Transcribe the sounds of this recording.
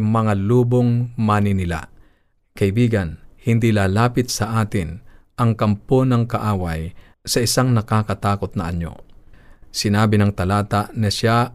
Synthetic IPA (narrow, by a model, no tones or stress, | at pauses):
mɐŋaluːboŋmaːnɪnɪla̰ | kɐʔɪbiːɡanhɪnd̪ilaːlaːpɪt̪sɐʔaːt̪ɪn | ʔɐŋkɐmponɐŋkaʔaːwaj | sɐʔɪsaŋnɐkaːkɐt̪aːkʊt̪̚nɐʔɐ̰ɲːo̰ | sɪnaːbɪnɐŋt̪ɐlaːt̪aʔnɐʃa